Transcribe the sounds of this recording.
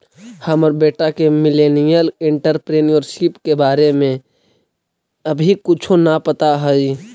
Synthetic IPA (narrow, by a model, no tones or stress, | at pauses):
həmɔɾbeːʈakemɪleːnijəlɪ̃ɳʈəɾpɾeːniɔːɾsipkebaːɾemẽ | ɐbʱikʊt͡ʃʰõnapət̪aɦɔi